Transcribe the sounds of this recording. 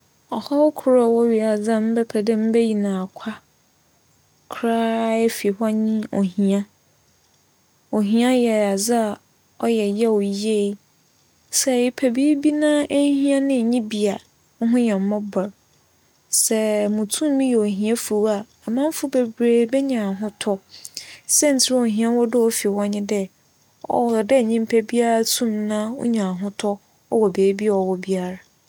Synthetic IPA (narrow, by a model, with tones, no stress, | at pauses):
ɔ˨ha˦wɔ˦kʰʊ˨˦ɾɔ˨wɔ˦ɥi˨a˨d͡zã˦m̩˦bɛ˦pʰɛ˨dɪ˦m̩˦bɛ˦ji˨nã˨kʷʰa˦ | kʰɾaː˦ɛ˦fi˨ha˦ɲĩ˦o˨hĩ˨ã˦ | o˨ɦĩ˨˦ã˦jɛ˨a˨d͡za˦a˨ | ɔ˦jɛ˨jɛ˦o˨je˦ | sɛ˦˨ɪ˨pʰæ˨bi˦bi˦nã˦ʔe˦hĩ˦ã˦nɪ̃˦˨ɲĩ˦bi˨a˨ | ŋ̩˦ɦʊ̃˦jɛ̃˨m̩˨˦mɔ̃˦bɔ˨ɾ | sɛ˦mʊ̃˨tʰũ˦mː˦ĩ˦jo˨ɦĩ˨˦ɛ˦fu˨˦a˨a˨mã˦m˦fʊ˦be˨bɾeː˨bɛ˦ɲã˨ɦʊ̃˦tʰɔ˦ | sɛ˦n̩˨tʰɪ˦ɾɔ˨ɦĩ˦ã˦wɔ˦dʊ˦ɔ˦fi˨wɔ̃˦ɲɪ̃˦dɛ˦ | ɔ̰˨dɛ˦˨ɲĩ˦m̩˦pʰɛ˦bi˦a˦ɾa˦tʰũ˦mnã˦ʊ̰˦ɲã˨ɦʊ̃˦tʰɔ˦ | ɔ̰˦wɔ˨beː˨˦bi˦˨ɔ˨wɔ˨bi˦a˦˨ɾa˨